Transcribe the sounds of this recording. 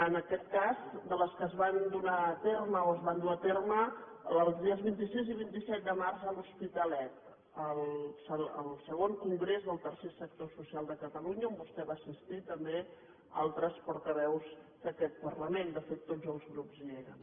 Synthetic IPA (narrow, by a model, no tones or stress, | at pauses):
ənəkɛt̪̚kazd̪ələskəzβand̪unat̪erməoəzβand̪unat̪ermə | əlˠzðiəzβint̪isiziβint̪isɛt̪̚d̪əmarzəluspit̪əlɛt̪ | əlˠsəə̰lˠsəɣoŋkuŋɡɾezðəlˠt̪ərsesək̚t̪osusialˠd̪əkət̪əluɲəombust̪ɛβaːsist̪it̪əmbe | a̰lˠt̪ɾəspɔɾt̪əβɛwzd̪̥əkɛt̪̚pərləmend̪əfet̪ːod͡zəlˠzɣɾupzleɣə̰n